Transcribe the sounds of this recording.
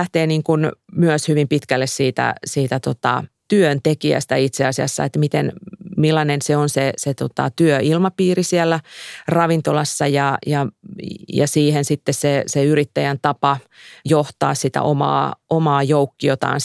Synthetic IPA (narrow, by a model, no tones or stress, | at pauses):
æht̪eːniːŋkunmyøshyʋimpit̪kælːessiːt̪æ̰siːt̪æt̪ot̪ɑ̰t̪yønt̪ekiæ̰st̪æit̪seɑsiɑ̰sːɑ̰et̪mit̪enmilːɑnenseonseset̪ot̪ɑ̰t̪yøilmɑpiːrisielːærɑʋint̪olɑsːɑjɑjɑ | jɑ̰siːhensit̪ːesseseyrit̪ːæjænt̪ɑpɑ | joht̪ɑːssit̪æ̰ʔomɑ̰ːʔomɑːjoukːiot̪ɑ̰ːn